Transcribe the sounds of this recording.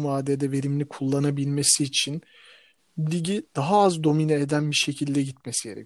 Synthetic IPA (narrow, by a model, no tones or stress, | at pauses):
vaːd̪ed̪ɛve̞ɾimlʲikʰulˠːanabilʲme̞siːt͡ʃʰin | lʲiɟid̪̥aɦaazd̪o̞minaed̪ænbiʃe̞cʰilʲd̪ɛɟit̪̚mesiɟe̞ɾɛ̰